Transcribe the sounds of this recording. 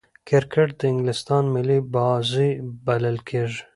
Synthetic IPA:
kʰeɾkʰeʈ̚d̪əɪŋɡlɪst̪ɑːnmilibɑːzibɐləlkʰeʒ

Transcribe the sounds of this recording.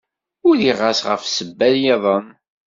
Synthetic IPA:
ʊliʁasʁə̰fsəbːæljɑðˤəm

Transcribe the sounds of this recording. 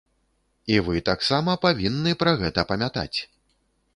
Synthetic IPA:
ivɨt̪aksamɐpavʲinːɨpɾɐɣɛt̪ɐpɐmʲat̪a̰t͡sʲ

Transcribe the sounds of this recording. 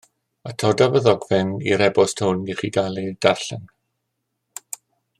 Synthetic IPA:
atʰɔdavəðɔɡvɪnḭɾɛbɔstʰownɡiχiɡalˠidarɬɛn

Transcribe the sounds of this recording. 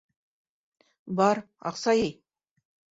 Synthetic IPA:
bɑɾ | ɑ̰qsɑjej

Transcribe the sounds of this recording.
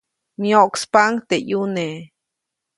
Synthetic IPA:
mjoʔkspaŋt̪ejune

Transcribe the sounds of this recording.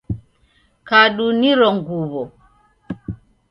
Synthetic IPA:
kaɗuniɾɔŋɡuβɔ

